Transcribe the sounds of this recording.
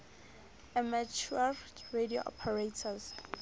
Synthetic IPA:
ɛmat͡ʃʰualɹedio̰ʔɔ̰pʰɛɹetʰaz

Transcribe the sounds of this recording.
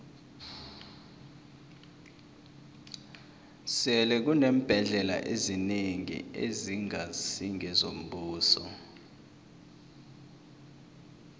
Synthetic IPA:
sɛlɛk̬unem̩b̥ʱɛɮɛla̰ʔezineŋḭḛziŋasiŋɛzom̩buːsɔ

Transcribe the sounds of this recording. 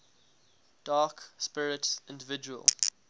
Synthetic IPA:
d̥ɑːkspɪɹɪtsɪ̃ndəvɪd͡ʒuə̰lˠ

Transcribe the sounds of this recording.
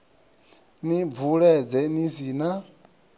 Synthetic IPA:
nivuɺɛd͡zɛnĩs̬ina

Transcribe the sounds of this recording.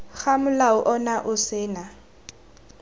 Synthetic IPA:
k͡xamʊlaʊʔɔnaʔʊsɪːna

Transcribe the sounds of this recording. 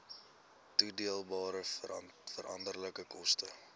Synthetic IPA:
tudiəlˠbɑːɾəfəɾʔɐ̰ndərləkəkɔstə

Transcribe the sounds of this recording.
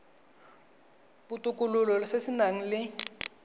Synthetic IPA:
bʊtʼʊkʼʊlʊlɔsɪsɪnaŋ̩lɪ

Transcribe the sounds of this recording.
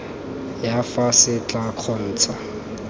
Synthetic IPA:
jafasɪt͡ɬʼaq͡χʰɔn̩ːt͡sʰa

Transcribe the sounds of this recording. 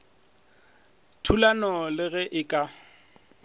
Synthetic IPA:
tʰulanɔlɪɣɛʔɪkʼa

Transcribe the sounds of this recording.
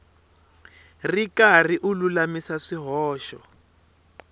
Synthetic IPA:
rikariʔululamisaʂiɦɔːʃɔ

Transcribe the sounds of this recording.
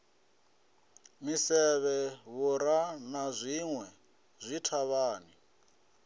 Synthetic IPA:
misɛβɛβuɾanazʷiŋwɛ | zʷitʰaβaːni

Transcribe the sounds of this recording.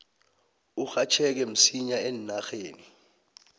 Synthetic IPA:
uxat͡ʃʰɛk̬ɛm̩siɲaennaxeːni

